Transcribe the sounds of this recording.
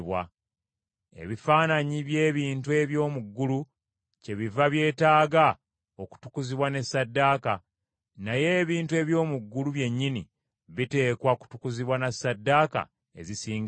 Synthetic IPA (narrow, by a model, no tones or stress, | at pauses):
βwa̰ | e̞̰βifaːnaɲiβje̞ːβiːntue̞βjo̞ːmuɡːulu | ce̞βivaβje̞ːtaːɡa | oku̥tu̥kuziβwane̞sːadːaːka | naje̞ːβiːntue̞βjo̞ːmuɡːuluβje̞ɲːini | βite̞ːkwaku̥tu̥kuziβwanasːadːaka̰ | e̞̰zisiːŋɡ